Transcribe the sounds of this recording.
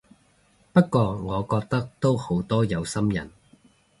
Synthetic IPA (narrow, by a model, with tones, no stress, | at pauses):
pɐ˥t̚kːɔː˧ŋɔː˨˧kɔː˧k̚t̪ɐ˥k̚t̪o˥who˨˥wt̪ɔː˥jɐ˨˧wsɐ˥mjɐ̰˨˩n